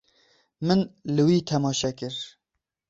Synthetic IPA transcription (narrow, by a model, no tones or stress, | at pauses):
mɨnlɨwiːt̪ʰɛmɑːʃɛkɨɾ